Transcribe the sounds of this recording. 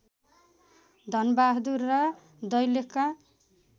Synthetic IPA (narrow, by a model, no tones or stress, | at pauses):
d̪ʱʌnbaɦd̪urːʌ | d̪ʌjleka